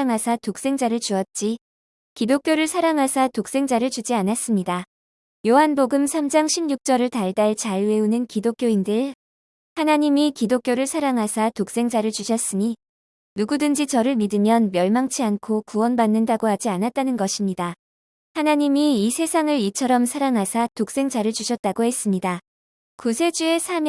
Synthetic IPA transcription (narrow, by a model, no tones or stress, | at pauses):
ŋɦasʰatok̚s͈e̞ŋd͡ʑaɾɯɭt͡ɕuʌt̚t͡ɕ͈i | kidok͈joɾɯɭsʰaɾaŋɦasʰatok̚s͈e̞ŋd͡ʑaɾɯɭt͡ɕud͡ʑianas͈ɯmɲida | joɦanboɡɯmsʰamd͡ʑaŋɕʰibɲuk̚t͡ɕ͈ʌɾɯɭtaɭdaɭt͡ɕaɭwe̞unɯnkidok͈joindɯɭ | hanaɲimikidok͈joɾɯɭsʰaɾaŋɦasʰatok̚s͈e̞ŋd͡ʑaɾɯɭt͡ɕuɕʰʌs͈ɯɲi | nuɡudɯnd͡ʑit͡ɕʌɾɯɭmidɯmjʌnmjʌɭmaŋt͡ɕʰiankʰokuwʌnbanːɯndaɡohad͡ʑianat̚t͈anɯnɡʌɕʰimɲida | hanaɲimiisʰe̞sʰaŋɯɾit͡ɕʰʌɾʌmsʰaɾaŋɦasʰatok̚s͈e̞ŋd͡ʑaɾɯɭt͡ɕuɕʰʌt̚t͈aɡohe̞s͈ɯmɲida | kusʰe̞d͡ʑue̞sʰamj